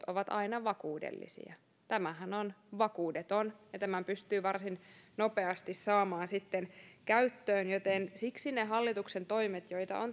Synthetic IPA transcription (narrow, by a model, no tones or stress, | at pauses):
t̪oʋɑt̪ɑinɑʋɑkuːdḛlːḭsḭɑ̰ | t̪æmæhænonʋɑkuːdet̪onjɑt̪æmæmpyst̪yːʋɑrsinnopeɑst̪issɑːmɑːnsit̪ːenkæyt̪ːøːnjot̪ensiksineɦɑlːit̪uksent̪oimet̪joit̪ɑ̰on